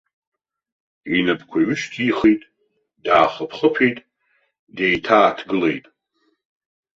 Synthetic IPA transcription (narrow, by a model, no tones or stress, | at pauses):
inapʰkʷʰaɥʏʃtʰiχejtʼ | daːχəpʰχəpʰejtʼ | dejtʰaːtʰɡɨle̞̰jtʼ